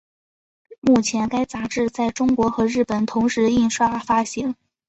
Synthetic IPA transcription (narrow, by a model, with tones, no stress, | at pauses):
mu˥˩t͡ɕʰjɛ˧˥nka˥ɪt͡sa˧˥ʈ͡ʂɻ̩˥˧t͡sa˥˩ɪʈ͡ʂʊ˥ŋkwɔ˧˥xɤ˧˥ɻɻ̩˥˩pə˨˩nt̪ʰʊ˧˥ŋʂɻ̩˧˥˧i˥˩nʂwa˥fa˥ɕi˧˥ŋ